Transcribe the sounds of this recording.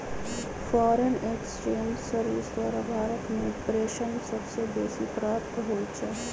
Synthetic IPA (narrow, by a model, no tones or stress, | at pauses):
fɔːɾenekst͡ʃẽːɲd͡ʒsəɾuːsʋaːɾabʱaːɾət̪mẽpɾeːʃənsɐbsebeːsipɾaːp̚t̪ɦoːt͡ʃʰɛ